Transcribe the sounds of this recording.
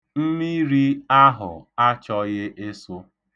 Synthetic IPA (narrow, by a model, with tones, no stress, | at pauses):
m̩˦mi˦ɾi˦a˦ɦʊ̰˨a˦t͡ʃɔ˦ɣɪ˦ʔe˦sʊ˦